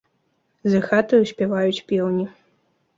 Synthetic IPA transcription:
zɐxat̪ɨusʲpʲɛvajut͡sʲpʲɛwnʲi

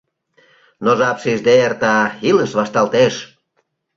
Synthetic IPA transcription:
noʒɑpʃiʒd̪eert̪ɑiləʃβɑʃt̪ɑlt̪eʃ

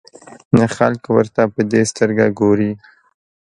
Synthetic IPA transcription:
naxalkwəɾt̪apəd̪est̪əɾɡaɡoɾi

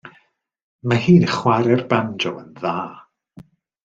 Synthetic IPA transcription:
mahiːnəχwaɾɛrbandɔwənðaː

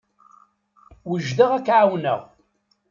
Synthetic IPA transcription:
wəʒðəʁækːʕawnə̰ʁ

